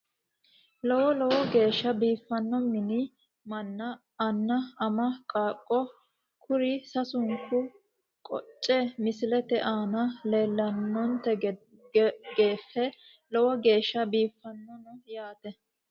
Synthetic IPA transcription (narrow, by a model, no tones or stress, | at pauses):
lɔwɔlɔwɔɡe̞ːʃːɐbiːfːɐnːɔmɪnɪ | mɐnːɐː | nːɐɐmɐkʼaːkʼːɔ | kʰʊɾɪsɐsʊŋkːʊ | kʼɔ̰t͡ʃʼːɛmɪsɪlɛt̪ɛʔaːnɐle̞ːlːɐnːɔnt̪ɛ | ɡeːfːɛ | lɔwɔɡe̞ːʃːɐbiːfːɐnːɔnɔjaːt̪ɛ